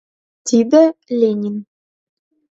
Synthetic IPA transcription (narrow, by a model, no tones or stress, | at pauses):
t̪id̪ɘ̆lʲenʲin